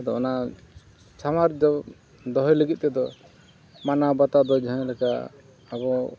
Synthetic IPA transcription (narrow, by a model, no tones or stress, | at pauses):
d̪ɔɔna | t͡ʃʰamaɾd͡ʒɔ | d̪ɔɦɔjləɡit̪̚ˀt̪ɛd̪ɔ | manabat̪ad̪ɔd͡ʒɔɦlɛka̰ː | bɔ